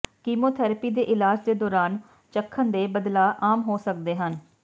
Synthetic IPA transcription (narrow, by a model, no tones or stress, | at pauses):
kiːmoːt̪ʰɛːɾəpiːd̪eːʔɪlaːd͡ʒd̪eːd̪ɔːɾaːn | t͡ʃəkʰːənd̪eːbəd̪laːʔaːmɦoːsək̚d̪eːɦən